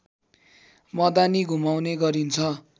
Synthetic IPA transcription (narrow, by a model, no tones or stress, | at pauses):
mʌd̪aniɡʱumawneɡʌɾint͡sʰʌ